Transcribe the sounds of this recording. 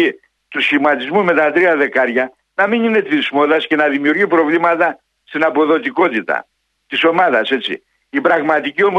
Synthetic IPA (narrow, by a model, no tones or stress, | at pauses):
i | t̪usçimɐt̪izmume̞t̪ɐt̪ɾiɐðe̞kɐɾʝɐ | nɐminine̞t̪ismo̞ðɐsce̞nɐðimiuɾʝipɾo̞vlimɐt̪ɐ | st̪inɐpo̞ðo̞t̪iko̞t̪it̪ɐ̰ | t̪iso̞mɐðɐse̞t͡sḭ | ibɾɐɣmɐt̪icio̞mo